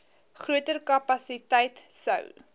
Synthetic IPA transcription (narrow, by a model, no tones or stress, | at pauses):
χruətərkɐpɐsitɛjtsə̰w